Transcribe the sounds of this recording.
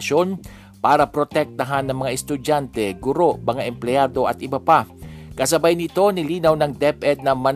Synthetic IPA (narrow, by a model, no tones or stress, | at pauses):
ʃo̞n | paːɾɐpɾot̪ɛk̚t̪ɐɦanːɐŋmɐŋaʔɛst̪ʊd͡ʒant̪ɛɡʊɾo̞ʔmɐŋaʔɛmplɛaːd̪o̞ʔɐt̪ʔɪbɐpakɐs̬ɐbajnɪt̪o̞nɪliːnɐwnɐŋd̪ɛpʔɛd̪̚nɐmɐn